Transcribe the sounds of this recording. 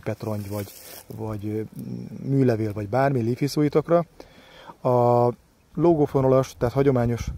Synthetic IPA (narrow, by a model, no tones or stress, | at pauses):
pɛt̪ro̞ɲɟvɒɟvɒɟ | myːlɛveːlvɒɟbaːrmilifisoːjit̪ɒkrɒ | ɒ | loːɡofonolɒʃt̪ɛːt̪hɒɟo̞maːɲo̞ʃ